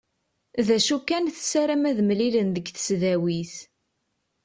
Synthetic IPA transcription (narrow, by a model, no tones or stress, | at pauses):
ðæʃukænθsæɾæmæðmlilənðəɡθə̥sðæwiθ